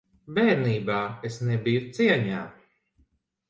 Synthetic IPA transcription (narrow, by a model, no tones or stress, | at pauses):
bɛːɾniːbaːesnebijut̪siɛɲaː